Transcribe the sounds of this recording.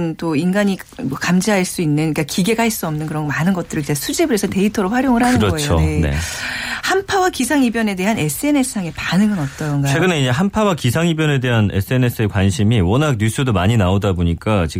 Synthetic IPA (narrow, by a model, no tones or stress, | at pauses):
nt͈oinɡaɲi | mʌkamd͡ʑiɦaɭs͈uinːɯnik͈akiɡe̞ɡaɦiɭs͈uʌmnɯnkɯɾʌnɡmanɯnɡʌt͈̚ɯɾɯɭid͡ʑesʰud͡ʑebɯɾesʰʌte̞itʰʌɾoɸwaɾjoŋɯɾɦanɯnɾʌɡʌet͡ɕjʰoene̞̰hampʰawakisʰaŋibjʌne̞de̞ɦane̞s͈ʰɯe̞ne̞sʰɯ̥sʰaŋe̞panɯŋɡʌnʌt̚t͈ʌnɡawe̞ɡɯneid͡ʑeɦampʰawakisʰaŋibjʌne̞de̞ɦanes͈ʰɯe̞ne̞s͈ʰɯe̞kwanɕʰimiwʌnak̚ɲusʰɯdomaɲinaodaboɲik͈at͡ɕi